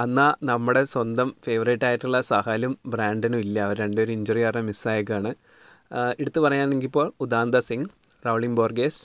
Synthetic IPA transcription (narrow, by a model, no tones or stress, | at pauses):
ɐnːaːnɐmːuɽe̞swɐnd̪ɐmfe̞ːʋɐriʈːaːjiʈːuɭːɐsɐhaːlumbraːɳɖinuilːɐːʋɐɾeɳɖeoɾuiɲd͡ʑuripɐrɲɐmisːaːjɐk̬ːaːɳɨ | eɽut̪ːɨpɐrɐjaːneŋɡilpːo̞ːɭud̪aːnd̪ɐsiŋɡ | rawɭiŋboːrɡeːs